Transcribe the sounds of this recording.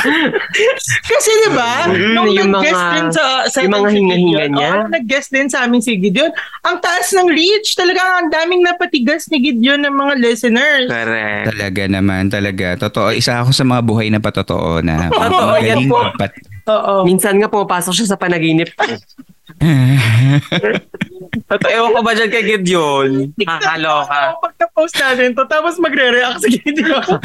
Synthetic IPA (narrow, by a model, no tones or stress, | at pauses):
kɐsɛd̪ɪbajʊŋjʊɐŋmɐŋɡɐad̪ɛsɐʔsɐʊmɐŋahɪŋɐhiːŋɐnɲanɐɡ̚ɡɐsd̪ɪnsɐʔaːmɪŋsiɡɪd̪jon | ʔɐŋt̪ɐʔasnɐŋɹit͡ʃt̪ɐlɐɡaŋɐŋd̪aːmɪŋnɐpɐt̪ɪɡɐsnɐɡɪd̪jonːɐŋmɐŋalɛsɛnɛɹskɾɛ̰ʔt̪ɐlɐɡanɐmant̪ɐlɐɡat̪ot̪oʔoʔɪsaʔɐko̞sɐmɐŋabuːɦɐjnɐpɐt̪ot̪o̰ʔo̰nɐ̰t̪otːoʔoɡɐɡɐpopat̪̚ʔoːʔomiːnsɐnŋapʊmɐpaːsok̚ʃas̬ɐpɐnɐɡiːnɪp̚ko | a | t̪ot̪oʔoɐkobɐd͡ʒɐnkɐɡɪd̪jonkakɐloːkapɐɡ̚kɐpowst̪naːt̪ɪnt̪ot̪aːposmɐɡɾɛɾɛʔak̚sɡɪd̪jo